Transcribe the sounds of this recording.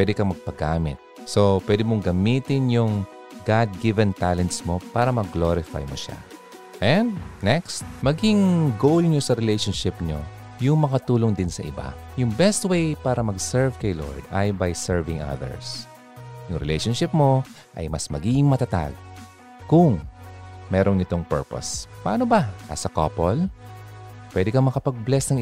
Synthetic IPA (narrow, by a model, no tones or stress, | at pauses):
wɛd̪ɪkɐŋmɐɡ̚pɐɡaːmɪt̪̚so̞pwɛd̪ɪmoŋɡɐmit̪ɪnjʊŋ | ɡad̪̚ɡɪvɛnt̪alɛnt̪smo̞paːɾɐmɐɡloɾɪfa̰jmo̰ʃa̰ | ʔɛnd̪̚nɛkst̪̚mɐɡɪŋɡowlɲosɐɾɛlejʃonʃɪp̚ɲo̰ | jʊŋmɐŋɐt̪uːloŋd̪ɪnsɐʔɪ̰ba̰ | jʊŋbɛst̪̚wejpaːɾɐmɐɡsɛɹvkɐjlo̰ɹd̪ʔɐjbɐjsɛɹvɪŋʔɐ̰ðɛ̰ɹs | jʊŋɾɛ̰lɛjʃonʃɪp̚mo̞ | ʔɐ̰jmɐsmɐɡiːɡɪŋmɐt̪ɐt̪a̰ɡ̚ | kʊŋ | mɛːɾonɪt̪o̞ŋpɛ̰ɹpo̰spɐʔaːnobɐʔɐ̰sɐko̰pol | pwɛd̪ɪkɐmɐkɐpɐɡ̚blɛsnɐŋ